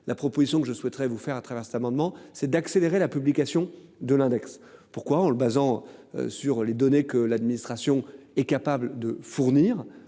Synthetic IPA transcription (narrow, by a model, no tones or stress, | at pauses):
lʔapχɔpozisjɔ̃kəʒəswɛt̪χɛvufɛʁat̪χavɛʁsɛ̥t̪amɑ̃d̪mɑ̃sɛd̪akseleʁelapyblikasjɔ̃d̪əlɛ̃d̪ɛkspuʁkwaɑ̃ləbazɑ̃ø̰syʁled̪ɔnekəlad̪minist̪χasjɔ̃ɛkapabld̪əfuʁniːʁ